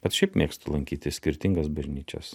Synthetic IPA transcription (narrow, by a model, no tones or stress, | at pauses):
b̥ʲɐt̪ʃʲɛɪpmʲeːkst̪ʊlˠɐŋʲkʲiːt̪ʲɪsʲkʲɪɾʲt̪ʲɪŋɡɐsbɐʒʲnʲiːt͡ʃʲɛ̰s